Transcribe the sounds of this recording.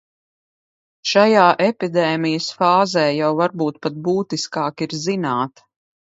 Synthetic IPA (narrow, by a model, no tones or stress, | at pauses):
ʃajaːʔɛpid̪ɛːmijəsfaːzɛːjawvaɾbuːt̪pat̪̚buːt̪iskaːkiɾzinaːt̪